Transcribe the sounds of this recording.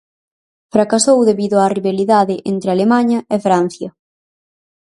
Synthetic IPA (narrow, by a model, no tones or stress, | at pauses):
fɾakasowðeβiðʊariβaliðaðɪʔent̪ɾealemaɲɐʔefɾan̟θjɐ